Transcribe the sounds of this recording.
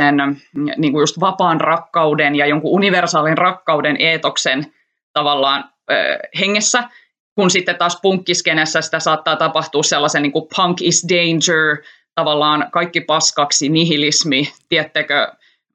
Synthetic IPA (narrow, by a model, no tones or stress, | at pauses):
enniːŋkujust̪ʋɑpɑːnrɑkːɑudenjɑjoŋkuuniʋersɑːlinrɑkːɑuwdenʔeːt̪oksen | t̪ɑʋɑlːɑːn̰ː | heŋːesːæ | kunsit̪ːet̪ːɑːspuŋkːiskenesːæsi̥t̪æsɑːt̪ːɑːt̪ɑpɑht̪uːsselːɑseniːŋkupʰɑŋkisdeind͡ʒəɹ | t̪ɑʋɑlːɑːnkɑikːipɑskɑksiniɦilismit̪iæt̪ːekø